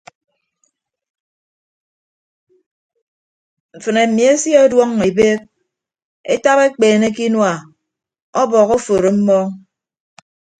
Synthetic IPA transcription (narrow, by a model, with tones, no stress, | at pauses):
ɱ̩˨fɨ˨ne˨mi˨e˦sje˦ɔ˦dwɔ˦ŋːe˨be˦k̚ | ḛ˦ta˦βe˦k͡peː˨ne˦ki˦nwa˨ | ɔ˦bɔ˨ɣo˦fo˨ɾo˨m̩˦mɔ˦